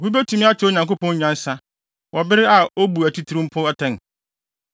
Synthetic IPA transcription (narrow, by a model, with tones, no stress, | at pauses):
hu˦bæ˦tʰũ˨˦mĩ˦a˦t͡ɕʰᶣɪ˦o˨ɲã˨ŋkʊ˦pɔ̃˦ɲ˦ɲã˦n˦sa˦ | wʔɔ˨bɪ˦ɾɪ˦a˨o˦bu˨æ˨tʰi˦tʰi˨ɾĩ˦m˦pʰʊ˦ɛ˦tʰɛ̃˦˨n